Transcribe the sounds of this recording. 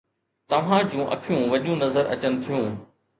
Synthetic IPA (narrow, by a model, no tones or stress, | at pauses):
t̪ɐʋ̤ãd͡ʑũːʔɐ̰kʰjũːʋɐʄũnɐzəɾʔɐ̰t͡ɕənɪ̆t̪ʰijũː